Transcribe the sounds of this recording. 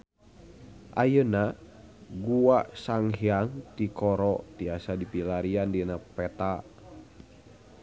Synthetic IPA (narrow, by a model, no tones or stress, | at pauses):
ʔa̰jəna | ɡuaʔsaŋhiaŋt̪ikɔɾɔt̪iasadipilaɾiandinapɛt̪a